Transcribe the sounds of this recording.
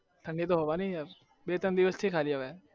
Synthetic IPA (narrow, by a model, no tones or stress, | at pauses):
t̪ʰə̃ɳɖet̪̬oɦoːʋanĩaɾ | beːt̪ənd̪ɪʋəst̪ʰikʰaːliaʋɛ